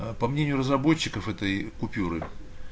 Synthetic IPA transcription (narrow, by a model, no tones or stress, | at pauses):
pɐmnʲenʲɪjʊrəzrɐbo̞t͡ɕːɪkəfɛt̪əjkʊpʲuɾɨ̰